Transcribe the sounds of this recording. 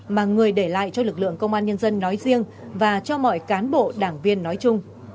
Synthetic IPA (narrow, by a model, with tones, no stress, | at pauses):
maː˨˩ŋɨ˨˩əjɗe˧˩la̰ː˧˨jt͡ɕɔ˧lɨ˨˩k̚lɨ̰˧˨əŋkə˧wŋ͡mʔaː˧nɲə˧nzə˧nːɔ˨˦jzi˧əŋ | vaː˨˩t͡ɕɔ˧mɔ̰˧˨jkaː˨˦nɓo̰˧˨ɗaː˧˩ŋvi˧ənːɔ˨˦jt͡ɕʊ˧ŋ͡m